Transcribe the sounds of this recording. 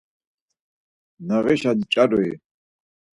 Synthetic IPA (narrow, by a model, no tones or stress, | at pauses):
naʁɛʃad̪it͡ʃʼadɛj